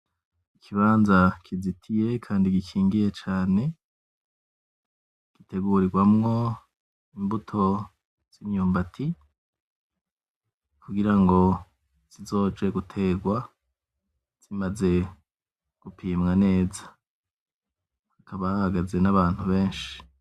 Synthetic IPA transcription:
ikʰiβaːnzakʰizitʰije̞kʰaːndikikʰiːŋɡije̞t͡ʃaːne̞ | kite̞ɡuːɾiɡwamŋo̞ | imbutʰo̞ | z̥iɲɲuːmbatʰi | kʰuɡiɾaŋɡo̞ | z̥izo̞ːd͡ʒe̞ɡutʰe̞ːɡwa | z̥imaze̞ | ɡ̥upʰiːmŋane̞ːzḁ | akʰaβahahaɡaze̞naβaːn̥huβe̞ːnʃi̥

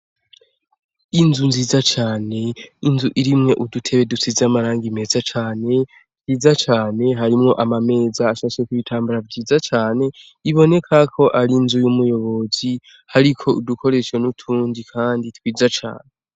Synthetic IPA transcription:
inzunziːzat͡ʃaːne̞inzuʔiɾimŋe̞ʔudutʰe̞βe̞dut͡sizamaɾaːŋɡime̞zat͡ʃaːne̞ | twiːzat͡ʃaːne̞ɦaɾimŋo̞ʔamame̞ːzaːʃaʃekuβitʰaːmbuɾavɟiːzat͡ʃaːne̞ | iβo̞ne̞kʰakʰo̞ʔaɾinzujumujo̞βo̞zi | haɾikʰo̞udukʰo̞ɾe̞ʃenutʰuːndikʰaːnditwiːzat͡ʃa̰ːne̞

